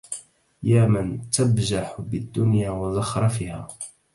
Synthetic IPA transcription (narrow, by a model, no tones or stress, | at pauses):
jaːmant̪abd͡ʒaħbɪd̪ːʊnjaːwazɑxɑɾˤɑfiːhaː